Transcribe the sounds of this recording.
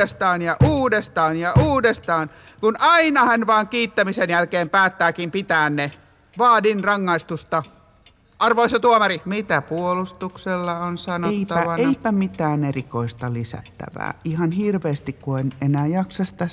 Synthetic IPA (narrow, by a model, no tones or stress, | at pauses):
est̪ɑːnjɑʔuːdest̪ɑːnjɑʔuːdest̪ɑːn | kunʔɑinɑhɑnʋɑːŋkiːt̪ːæmisenjælkeːmpæːt̪ːæːkimpit̪æːnne | ʋɑːdinrɑŋːɑist̪ust̪ɑ | ʔɑrʋoisɑt̪uomɑrimit̪æpuolust̪ukselːɑonsɑnoeiːɑæʋɑeipæmit̪æːnerikoist̪ɑlisæ̰t̪ːæ̰ʋæ̰ːihɑnhirʋeːst̪ikkuenenæːjɑksɑst̪æ